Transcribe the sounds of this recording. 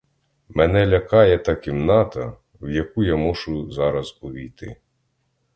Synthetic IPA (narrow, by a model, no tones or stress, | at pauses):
mɛnɛlʲɐkɑjɛt̪ɐkʲimnɑt̪ɐ | wjɐkujamɔʃʊzɑɾɐzuʋʲijt̪ɪ̰